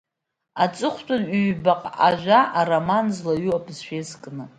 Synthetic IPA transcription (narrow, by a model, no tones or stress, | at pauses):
at͡sʼɨχʷtʰʼʊnɥɥbaqʼaʒʷᶣaʔaromanzlaɥuapʼzʃᶣezkʼnɨ